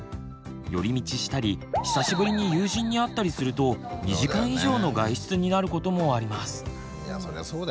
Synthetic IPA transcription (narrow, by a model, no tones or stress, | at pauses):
jo̞̰ɾʲimʲit͡ɕiɕi̥t̪aɾʲiçi̥saɕibɯ̟ɾʲiɲ̟ijɯːʑĩɲ̟ːiat̪ːaɾʲisɨɾɯ̟t̪o̞ɲ̟iʑikãɰ̃iʑo̞ːno̞ɡaiɕi̥t͡sɨɲ̟inaɾɯ̟ko̞t̪o̞mo̞aɾʲimasɨ̥ | ja̰soɾeoː